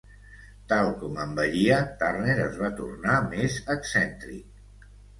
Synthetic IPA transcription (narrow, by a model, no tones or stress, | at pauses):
t̪alˠkɔməmbəʎiət̪arneɾəzβat̪ṵrnamezəksɛnt̪ɾḭk̚